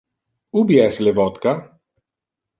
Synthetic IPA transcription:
ubiɛslevɔt̪ka

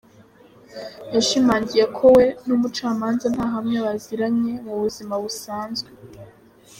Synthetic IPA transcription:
jaʃimaːɲɟije̞kʰo̞we̞numut͡ʃaːmaːnzan̥haːɦamŋeβaziɾamɲe̞muβuzimaβusaːnzɡwe

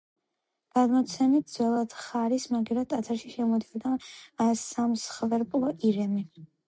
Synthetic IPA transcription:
ɡ̥ad̪mɔt̪sʰɛmit̪̚ʰd̪zwɛlˠad̪̥χaɾismaɡiɾat̪ʼːat̪ʰaɾʃiʃɛmɔd̪iɔd̪asamsχvɛɾpʼlˠɔʔiɾɛmi

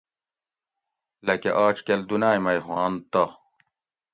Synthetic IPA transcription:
lɐkeʔaːt͡ɕkeld̪unaːjmɐjɦwaːnt̪ɐ

